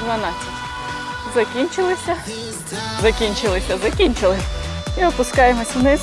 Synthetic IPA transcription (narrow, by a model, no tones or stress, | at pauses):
d̪ʋɐnɑt͡sʲɐtʲ | zɐkʲinʲt͡ʃɪlˠɪsʲɐ | zɐkʲinʲt͡ʃɪlˠɪsʲɐzɐkʲinʲt͡ʃɪlˠɪ | iɔpʊskɑjemɔsʲnɪ